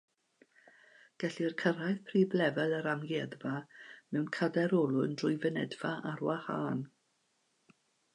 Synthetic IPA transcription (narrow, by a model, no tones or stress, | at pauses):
ɡ̥ɛɬirkʰəɾajðpʰriːblɛvɛlˠəɾamɡjɛðvamɛwnkʰadɛɾɔlˠʊndrʊjvənɛdv̥aʔarwahaːn